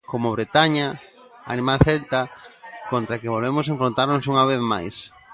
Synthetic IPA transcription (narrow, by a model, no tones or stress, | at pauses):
komoβɾet̪aɲa | a̰nĩmalθelt̪akont̪ɾakeβolβemos̬ẽɱfɾont̪aɾnosuŋaβ̞eθma̰js